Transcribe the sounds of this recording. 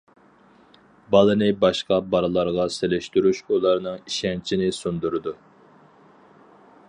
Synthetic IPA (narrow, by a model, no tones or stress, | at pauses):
bɑlˠɨnɨbɑʃqɑbɑɾɨlˠɑɾʁɑselɪʃt̪yɾyʃulˠɑɾnɨŋiʃɛnt͡ʃʰinɪsund̪uɾɨd̪u